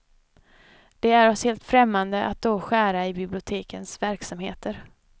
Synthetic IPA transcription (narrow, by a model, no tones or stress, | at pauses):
d̪̥ɛæɾɔsheːlt̪fɾɛmːand̪əʔa̰t̪̚d̪oɧæːɾaɪbɪblɪʊt̪ʰeːkənsvæɾksamheːt̪ʰəɾ